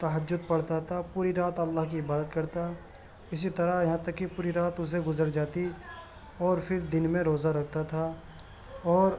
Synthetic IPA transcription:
t̪ɐɦəd͡ʒːʊd̪̚pɐɽt̪at̪ʰapuːɾiɾaːt̪ɐlːaːɦkiɪbaːd̪ət̪kɐɾt̪a | ɪs̬it̪ɐɾajɐɦãt̪ɐkːipuːɾiɾaːt̪ʊs̬eɡʊzəɾd͡ʒaːt̪i | ɔːɾpʰɪɾd̪ɪnmẽɾoːzaɾɐk̚ʰt̪at̪ʰa | ɔːɾ

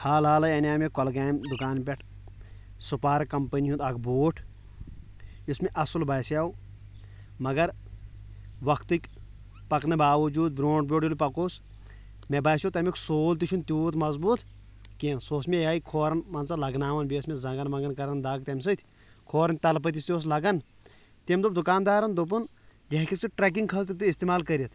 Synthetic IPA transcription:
haːlaːlɐenʲaːmekɔlɡaːmd̪ukaːnpʲɛʈʰ | supaːɾkɐmpəniɦũnd̪ɐkboːʈʰ | ismeʔɐsulbaːjsjaːw | mɐɡɐɾ | ʋɐkʰt̪ɨkʲ | pɐknɐbaːʋɐd͡ʒuːd̪̚bɾoːɳʈ̚bʲoːɖjolpɐkoːs | mebaːsjot̪ɐmiksoːlt̪̬iʃʰunt̪uːt̪mɐzbuːt̪ | kinsoːsmʲejaːikʰoːɾɐnmɐnsɐlɐɡnaːʋɐnbeːsmʲezɐŋɡɐnmɐŋɡɐnkɐɾɐnd̪aːɡ̚t̪ʲɐmʲs̬ɨt̪ʰʲ | kʰoːɾɐnʲt̪ɐlp̬ɐt̪̬ist̪joːs̬lɐɡɐn | t̪emʲd̪up̚d̪ukaːnd̪aːɾɐnd̪up̬un | ɡɐɦkʲʰisiʈɾɛk̬iŋɡkʰɐlt̪it̪uist̪imaːlkɐɾit̪ʰ

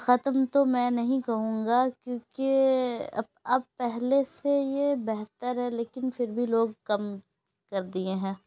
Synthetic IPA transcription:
xɐt̪mt̪omɛ̃ːnɐɦĩkɐɦũːŋɡakjõːkeɐ̰ | ɐb̚pɛɦlesejebɛɦt̪əɾɦɛleːkɪnfʰɪɾbʱiloːɡ̚kɐm | kɐɾd̪iẽɦɛ̃ː

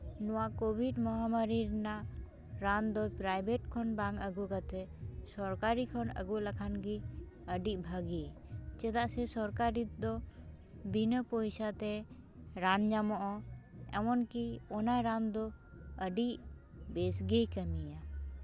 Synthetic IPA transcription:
nɔwakobʱiɖmɔɦamaɾiɾna | ɾand̪ɔpɾajbeʈkʰɔnbãŋɡəɡukat̪ʰɛsɔɾkaɾikʰɔnə̰ɡuləkʰanɡi | əɖiʔbʱaɡit͡ʃɛd̪aʔsɛsɔɾkaɾid̪ɔ | binəpɔjsat̪ɛ | ɾand͡ʒamɔʔɔɛ̰mɔnkiɔnaɾãnd̪ɔ | əɖiʔ | besɡejkəmija

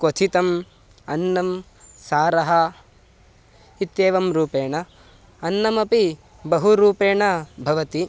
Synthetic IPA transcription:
kot̪ʰit̪ɐm | ɐnːɐm | saːɾɐɦɐ | it̪jeːʋɐmɾuːpeːɳɐ | ɐnːɐmɐpi | bɐɦuɾuːpeːɳɐbʱɐʋɐt̪i

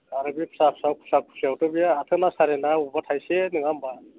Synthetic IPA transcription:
aɾɯbipʰsapʰsawkʰu̥sakʰu̥siawtʰɯbijaːt̪ʰɯnasaɾenaubatʰajsenɯŋamba

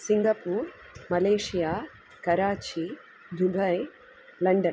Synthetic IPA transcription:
siŋɡɐpuːɾ | mɐleːʂijaː | kɐɾaːt͡ʃi | d̪ʱubʱɐj | lɐɳɖɐn

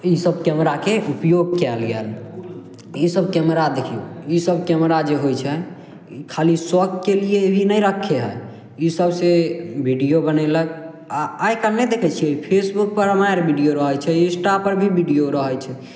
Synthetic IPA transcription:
isəb̚kɛmɾakeʔupjoɡkɛlɡɛ̰l | isəb̚kɛmɾad̪ekʰiuisəb̚kɛmɾad͡ʒeɦojt͡ʃʰɛ | kʰaliswək̚t̪̚kelieebʱinəjɾəkʰːeɦɛ̰ | isəbsebʱiɖijobənɛlək | aajkaned̪ekʰɛt͡ʃʰiɛpʰesbuk̚pəɾəmajɾbʱiɖijoɾəɦət͡ʃʰɛĩsʈapəɾbʱibʱiɖijoɾəɦət͡ʃʰɛ

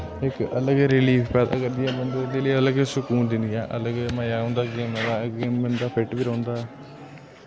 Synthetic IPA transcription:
ɪkələɡɾɪliːfpɛːd̪a̰ːkəɾd̪ɪjãːbənd̪eːd̪eːləələɡsʊkuːnd̪ɪnd̪ɪjaːʔələɡməjaːɦʊ̃ːnd̪aːɡeːmɛd̪aːɡeːmːənd̪aːpʰɪʈbiːɾə̃ːnd̪aː

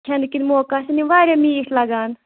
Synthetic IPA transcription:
kʰend̪kinmoːkaːsiniʋaːɾʲemiːslɐɡaːn

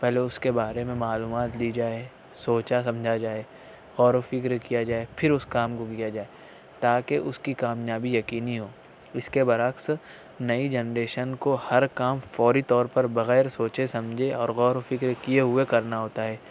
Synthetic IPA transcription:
pɛɦleʊskebaːɾemẽmaːluːmaːt̪lid͡ʒaːe | soːt͡ʃasɐ̃md͡ʒʱad͡ʒaːe | ɣɔːɾofɪkɾkijad͡ʒaːepʰɪɾʊskaːmkokijad͡ʒaːe | t̪aːkeʔʊskikaːmjaːbijɐkiːniɦoː | ɪskebɐɾaks | nɐid͡ʒɛnɾeːʃənkohɐɾkaːmfɔːɾit̪ɔːɾpɐɾbɐɣɛːɾsoːt͡ʃesɐ̃md͡ʒʱeɔːɾɣɔːɾofɪkɾkijeɦʊekɐɾnaɦoːt̪aɦɛː

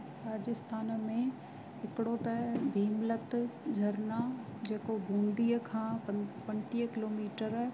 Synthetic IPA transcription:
ɾaːd͡ʑɪst̪ʰaːnmẽ | ɦɪkɪɽot̪ɐbʱiːmlət̪d͡ʑʱɐɾnad͡ʑeːkobʱũːnd̪iːəkʰãːpɐ̃ɳʈiːəkɪloːmiːʈəɾ

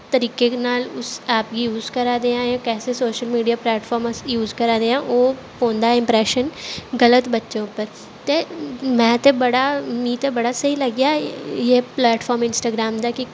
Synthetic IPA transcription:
t̪əɾiːkeknaːlʊsaːpɡijuːzkəɾaːd̪eːãjãːkɛːsesoːʃəlmiːɖijaːplɛːʈfʰɔːɾmsjuːzkəɾaːd̪eãʔoː | fõːnd̪aɪ̃mpɾɛːʃənɡələt̪bɐtːʃõːpəɾ | t̪emɛ̃ːt̪ebɐɽamiːt̪ebɐɽasɐɦilɐɡjajeplɛːʈfʰɔːɾmɪnsʈaːɡɾaːmd̪aːki

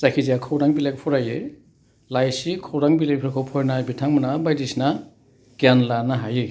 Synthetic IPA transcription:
zakʰizijakʰɔwɾaŋbilajk̚pʰɔɾaje | lajsikʰowɾaŋbilak̚pʰɾkʰɔwpʰɔjnabitʰaŋmanabajdisna | ɡ̥ianlanaɦaje

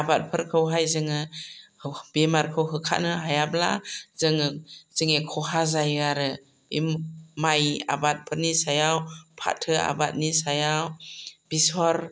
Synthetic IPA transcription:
abat̚pʰɯɾkʰɯwɦajzɯŋɯ | bemaɾkʰɯwɦɯkʰa̰t̚nɯɦajabla̰z̥ɯŋɯz̥ɯŋekʰɔhazajɡaɾɯ | ḭmːaja̰bat̚pʰɯɾnisajawpʰa̰tʰɯa̰bat̚nisajawb̥isɔɾ

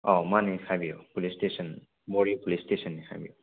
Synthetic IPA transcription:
ɔmanɛkʰabio̰pulistesɔn | bɔɹipulistesɔnːɛxʰa̰bḭo

